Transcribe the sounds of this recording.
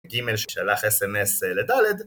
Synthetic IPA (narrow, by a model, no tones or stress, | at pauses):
ɡimelʃeʃalaχesemesled̪aled̪